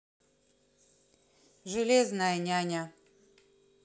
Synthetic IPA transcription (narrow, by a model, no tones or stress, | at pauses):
ʐɨlʲeznajanʲanʲa